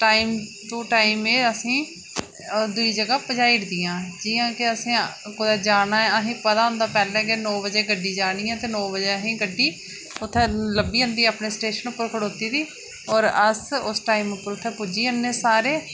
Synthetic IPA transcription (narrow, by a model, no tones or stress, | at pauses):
ʈaːiːmt̪õːʈaːimeːəsĩː | d̪ʊiːd͡ʒəɡaːpəd͡ʒaːiɽd̪ijãːd͡ʒiːãːkeəsĩːkʊd̪ɛːd͡ʒaːɽaːɛəɦĩːpət̪aːɦʊ̃nd̪aːpɛːlɛ̃ːkenɔ̃ːbəd͡ʒeːɡəɖiːd͡ʒaːɽ̃iːãːt̪eːnɔːbəd͡ʒeːəɦĩːɡəɖːiː | ʊt̪ʰːẽːləbiːənd̪iːaːpneːsʈeːʃənʊpːəɾkʰəɽoːt̪iːd̪iː | ɔːɾəsʊsʈaːimʊpːəɾʊt̪ʰːeːpud͡ʒiːənːeːsaːɾeː